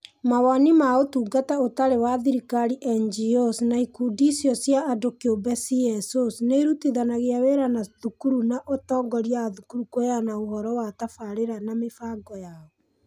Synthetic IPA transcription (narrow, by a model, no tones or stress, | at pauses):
mawanimaotuːɡataotaɾewaðiɾikaɾiʔɛnd͡ʒiɔsnaikudisiɔsjaːdokiobɛsiɛsosneɾutiðanaɣeaweɾanaðukuɾunaʔotɔːŋɡɔɾjaðukuɾukojanaohɔɾɔwatafaɾeɾanamefaɡɔjaɔ